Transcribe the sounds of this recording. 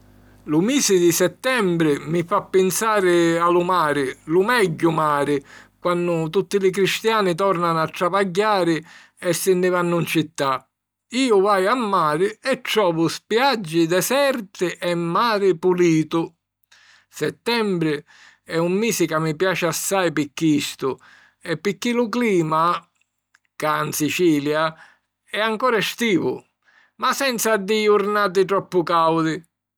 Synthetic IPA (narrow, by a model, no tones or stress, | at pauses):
lʊmiːsɪd̪isɛt̪ːɛmbɾɪmɪfapːɪnsaːɾɪalʊmaːɾɪlʊmɛɟːʊmaːɾɪkwanːʊt̪ut̪ːɪlɪk̬ɾist̪jaːnɪt̪ɔrnanat̪ːɾavaɟːaːɾɪ | ɛsːɪnːɪvanːʊint͡ʃit̪ːa | iːʊvajamːaːɾɪɛtːɾɔːvʊspjad͡ʒːɪd̪ɛsɛɾt̪ɪʔɛmːaːɾɪpuliːt̪ʊ | sɛt̪ːɛmbɾɪ | ɛumːiːsikamːipjaːt͡ʃɪasːajpikːist̪ʊ | ɛpːikːilʊkliːma | kansit͡ʃiːlja | ɛaŋkɔːɾɛst̪iːvʊ | masɛnt̪sad̪ːiuɾnaːt̪̬ɪt̪ɾɔpːʊkawd̪ɪ